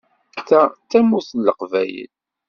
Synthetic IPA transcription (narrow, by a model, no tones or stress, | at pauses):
θæt͡s̪ːæmuθlːəqvæjə̰l